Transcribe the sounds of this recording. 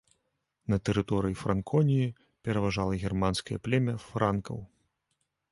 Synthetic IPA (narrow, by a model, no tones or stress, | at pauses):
nɐt̪ɛɾɨt̪ɔɾɨjifɾʔankʰɔnʲiji | pʲɛɾɐvaʐalˠɐɣʲɛrmanskɐjɐ̰plʲɛmʲɐfɾankɐ̰w